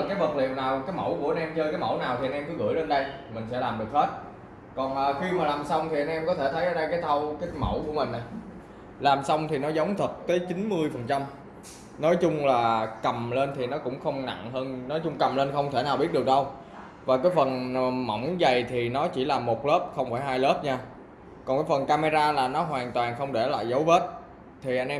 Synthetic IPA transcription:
kaː˨˦jvə˨˩t̚lḭ˧˨əwnaː˨˩wkaː˨˦jmə̰˧˩wku˧˩əʔə˧nʔɛ˧mt͡ɕəː˧kaː˨˦jmə̰˧˩wnaː˨˩wt̪i˨˩ʔnʔɛ˧mkɔ˨˦ɣɨ̰˧˩jle˧nɗə˧jmï˨˩ŋ̟sɛ̰˧˥laː˨˩mɗɨ˨˩ək̚he˦˥t̚ | kɔ˨˩nʔəː˨˩xi˧maː˨˩laː˨˩msa˧wŋ͡mt̪ʰi˨˩ʔa˧ŋnʔɛ˧mkɔ˨˦t̪ʰe˧˩t̪ʰə˨˦jʔəː˧˦ɗə˧jkaː˨˦jt̪ʰa˧wkaː˨˦jmə̰˧˩wku˧˩əmï˨˩ŋ̟na˨˩j | laː˨˩msa˧wŋ͡mt̪ʰi˨˩nɔ˨˦zə˨˦wŋ͡mt̪ʰə˨˩t̚t̪əː˨˦jt͡ɕi˨˦nmɨ˧əjfə˨˩nt͡ɕa˧m | nɔ˨˦jt͡ɕʊ˧ŋ͡mlaː˨˩kə˨˩mle˧nt̪ʰi˨˩nɔ˨˦kʊ̰˧˥ŋ͡mxə˧wŋ͡mna̰˧˨ŋɦəː˧nnɔ˨˦jt͡ɕʊ˧ŋ͡mkə˨˩mle˧nxə˧wŋ͡mt̪ʰe˧˩naː˨˩wɓi˦˥ət̚ɗɨ˨˩ək̚ɗə˧w | vaː˨˩kaː˨˦jfə˨˩nmɔ̰˧˩wŋ͡mza˨˩jt̪ʰi˨˩nɔ˨˦t͡ɕi˧˩laː˨˩mo˨˩t̚lə˦˥p̚xə˧wŋ͡mfaː˧˩jɦaː˧jləː˦˥p̚ɲaː˧ | kɔ˨˩nkaː˨˦jfə˨˩nkaː˧me˧zaː˧laː˨˩nɔ˨˦ɦwaː˨˩nt̪waː˨˩nxə˧wŋ͡mɗe˧˩la̰ː˧˨jzə˨˦wve˦˥t̚ | t̪ʰi˨˩ʔa˧jn̟ʔɛ˧

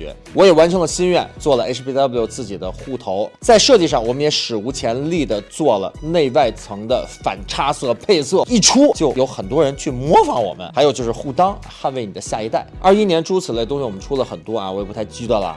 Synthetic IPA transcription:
ɛ̰˧˥ | wɔ˧˥jɛ˨˩wa˧˥nʈ͡ʂʰɤ˧˥ŋd̪ə˧˩ɕi˥nɥɛ˥˧nt͡swɔ˥˩lə˩ʔe˥ɪʂʰpi˥d̪ɑ˥bljt͡sɹ̩˥˩t͡ɕi˨˩d̪ə˦xu˥˩t̪ʰo˧˥ʊt͡sa˥˧ɪʂɤ˥˧t͡ɕi˥˧ʂɑ˥˩ŋwɔ˨˩mə˦njɛ˧˥ʂɻ̩˨˩u˧˥t͡ɕʰjɛ˧˥nli˥˩d̪ə˩t͡swɔ˥˩lə̰˩ne˥˧ɪwa˥˩ɪt͡sʰɤ˧˥ŋd̪ə˧fa̰˨˩nʈ͡ʂʰa˥sɤ˥˩pʰe˥˧ɪsɤ˥˩i˥˩ʈ͡ʂʰu˥t͡ɕjo˥˩ʊjo˧˥ʊxə˨˩nt̪wɔ˥ɻə˧˥nt͡ɕʰy˥˩mwɔ˧˥fɑ˧˥ŋwɔ̰˨˩mə̰˦nxa˧˥ɪo˨˩t͡ɕjo˥˧ʊʂɻ̩˥˧xu˥˩t̪ɑ˥ŋ | xa˥˧nwe˧˥ɪni˨˩ə˦ɕja̰˥˩i˧˥t̪a˥˩ɪɐ˞˥˧i˥njɛ˧˥nʈ͡ʂʰu˥t͡s̩ʰ˨˩a˥˩˧ʊ˥ŋɕi˥˩wɔ˨˩mə˦nʈ͡ʂʰu˥lə˨xə˨˩nt̪wɔ̰˥˨˩wɔ˧˥jɛ˨˩p̪ʰa˥˩ɪt͡ɕi˥ə˧˩lə̰˩

